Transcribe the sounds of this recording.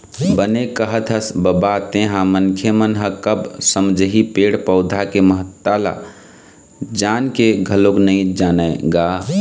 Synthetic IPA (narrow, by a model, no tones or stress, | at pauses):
bənekəɦət̪ʰəsbəbat̪ẽɦãmənkʰemənɦəkəbsəmd͡ʒəɦipeɽpəʊd̪ʱakeməɦət̪ːala̰ | d͡ʒankeɡʱəloknəĩd͡ʒaːnəɡa